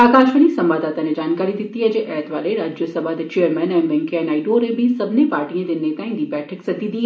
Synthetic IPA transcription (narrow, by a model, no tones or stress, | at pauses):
aːkaːʃʋəñisɐ̃mʋaːd̪aːt̪anẽd͡ʑaːnkaːɾid̪ɪt̪iɦɐd͡ʑeːʔɛːɦt̪ʋaːleɾaːd͡ʑjəsɐbʱaːd̪t͡ɕejəɾmɛ̃nɛ̃ːʋɛ̃ŋkeːnaːɪɖoːɾẽbɪsɐbʱɪnepaːɾʈiə̃d̪ɪnːet̪ãːĩnd̪ibɛːʈʰəksɐd̪id̪iː